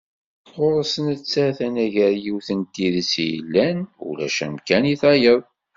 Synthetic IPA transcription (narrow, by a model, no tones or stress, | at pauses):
ʁoɾˤəsənət͡sːæθænæʝəɾjiwθənt̪iðəsjə̰lːænṵlæ̰ʃæmkæniθɑjəðˤ